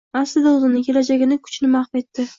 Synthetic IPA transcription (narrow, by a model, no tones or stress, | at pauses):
aslɪd̪aʊzɪnɪkʲʰe̞lad͡ʒaɡʲɪnɪkʰʊ̥t͡ʃnɪmaχfe̞t̪ːɪ